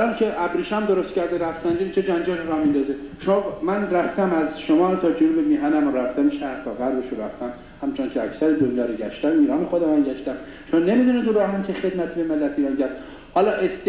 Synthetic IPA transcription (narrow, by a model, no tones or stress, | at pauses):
ɾæmcʰeʔæbɾiːʃæmd̪o̞ɾost̪cʰæɾd̪eɾæft̪sænd͡ʒiːnt͡ʃʰed͡ʒænd͡ʒæliɾɒmind̪ɒːzeʃomːmænræft̪æmæzʃomɒːɾt̪ʰɒːd͡ʒunubemiːɦænæmoɾæft̪æmʃæɾht̪ɒːɣæɾbeʃoɾæft̪æm | hæmt͡ʃʰoncʲʰeæ̰csæɾed̪onjɒːɾoɟæʃt̪æmiːɾɒːnexod̪emænɟæʃt̪æm | ʃomne̞mid̪uned̪uɾɒmæncʰexe̞d̪mæt̪ʰibe̞melːæt̪iːɾɒːncʰæɾd̪̥ | hɒːlɒːʔest̪